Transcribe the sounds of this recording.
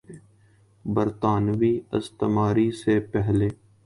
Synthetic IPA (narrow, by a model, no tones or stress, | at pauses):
bəɾt̪aːnʋiːə̰st̪əmaːɾisepɛɦleː